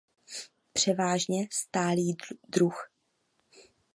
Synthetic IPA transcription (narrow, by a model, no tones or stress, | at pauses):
pr̝̥ɛvaːʒɲɛst̪aːliːd̪ɾux